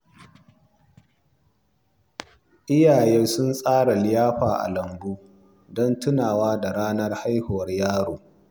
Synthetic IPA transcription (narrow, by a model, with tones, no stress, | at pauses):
ʔɪ˦jaː˨jɛ˦sʊ˦nsʼaː˦ɽa˨lɪ˦jaː˦ɸaː˨ʔa̰˨lɐ˨mɡuː˦ | dɔ˦ntʊ˦naː˨waː˦da˨ɽaː˦nɐ˦rha˦jhʊ˨wɐ˦rjaː˦ɽoː˨